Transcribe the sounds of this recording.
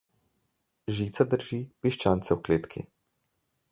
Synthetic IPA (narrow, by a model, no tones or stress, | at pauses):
ʒiːt̪sad̪əɾʒipiʃt͡ʃaːnt̪sɛwkleːt̪kʰḭ